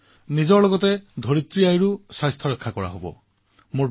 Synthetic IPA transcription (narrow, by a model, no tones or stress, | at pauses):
nid͡ʒɔɾlɔɡɔt̪ed̪ʱoɾit̪ɾijajɹusajst̪ʰɔɾekʰːakɔɹa̰ɦobɔ̰ | mu